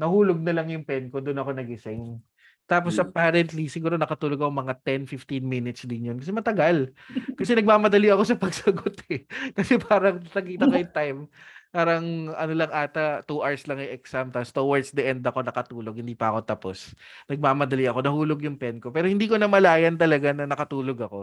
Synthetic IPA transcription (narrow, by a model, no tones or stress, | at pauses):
nɐhuːloɡ̚nɐlaŋjʊŋpɛnkod̪ʊnɐko̞nɐɡɪsɪŋ | t̪aːp̬o̞sʔɐpaːɾɛnt̪lisɪɡuːɾonɐkɐt̪uːloɡɐkomɐŋat̪ɛnfɪft̪inminɪt̪sd̪ɪnjonkɐsɛmɐt̪ɐɡalkɐsɛnɐɡ̚maːmɐd̪ɐliɐko̞sɐpɐɡsɐɡot̪ɛkɐsɛpaːɾɐŋt̪ɐkiːt̪ɐkɐjʊŋt̪ajmpaːɾɐŋʔɐnolɐŋʔaːt̪ɐt̪uʔaɹslɐŋɐʔɛksamt̪ɐst̪owɐɹd̪sd̪ɐʔɛnd̪ɐko̞nɐkɐt̪uːloɡ̚hɪnd̪iːpɐʔɐko̞t̪ɐpo̞̰snɐɡ̚mamɐd̪ɐliɐko̞nɐhuːlo̞ɡjʊŋpɛnko̞pɛːɾohɪnd̪iːko̞nɐmɐlaːjɐnt̪ɐlɐɡanɐnɐkɐt̪uːloɡɐko̞